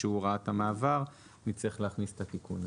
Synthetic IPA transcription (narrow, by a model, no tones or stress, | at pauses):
euʁaat̪amaːvaʁ | nit͡siχleaχnise̥t̪at̪ikun